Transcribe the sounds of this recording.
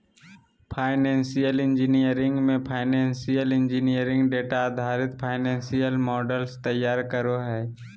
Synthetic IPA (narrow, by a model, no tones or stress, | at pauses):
pʰaːɪnẽːnsijəlɪ̃nd͡ʒinijəɾɪ̃ŋɡmẽpʰaːɪnẽːnsijəlɪ̃nd͡ʒinijəɾɪ̃ŋɡɖeːʈaːd̪ʱaːɾɪt̪pʰaːɪnẽːnsijəlmɔːɖəlst̪əjːaːɾkəɾoɦɛː